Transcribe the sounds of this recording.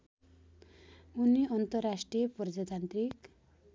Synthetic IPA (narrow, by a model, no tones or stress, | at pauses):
uniʌnt̪ʌrːasʈrijʌprʌd͡zat̪ant̪rik